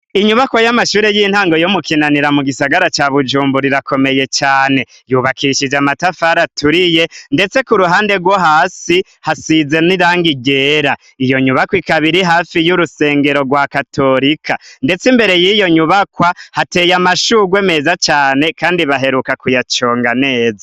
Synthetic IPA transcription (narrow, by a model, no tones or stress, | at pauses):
iɲuβakwajamaʃuːɾe̞jin̥haːŋɡo̞jomukinaniɾamuɡisaɡaɾat͡ʃaβud͡ʒuːmbuɾiɾakʰo̞me̞je̞t͡ʃaːne̞ | juβakiʃid͡ʒamatafaɾatuɾije̞nde̞t͡se̞kuɾuɦaːnde̞ɡwoɦaːsi | hasize̞niɾaːŋɡiɡe̞ɾa | ijo̞ɲuβakwikaβiɾiɦaːfijuɾuse̞ːŋɡe̞ɾo̞ɡwakatʰo̞ɾikʰandet͡simbe̞ɾe̞jiːjo̞ɲuβakwahate̞ːjamaʃuɡwe̞me̞ːzat͡ʃaːne̞kaːndiβaɦe̞ɾukakujat͡ʃo̞ːŋɡane̞ːza